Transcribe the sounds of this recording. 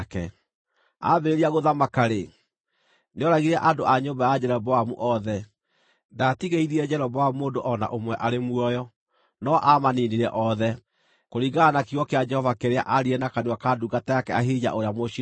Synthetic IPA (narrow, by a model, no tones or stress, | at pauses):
kɛ̰ | a̰βeɾeɾiaɣoðamakaɾe | neɔɾaɣiɾɛʔadoʔaɲombajad͡ʑɛɾɛbɔwamṵʔɔðɛ | ndatiɣeiðiɛd͡ʑɛɾɔβawamoːndoʔɔna̰ʔomwɛʔaɾemuɔjɔ | nɔʔamaniniɾɛʔɔðɛ | koɾiɣaːnakiɔkead͡ʒɛhɔvakeɾea̰ʔaɾiɛnakanewakaːduɡatajakɛaɦid͡ʑa̰ʔoɾeamoɕi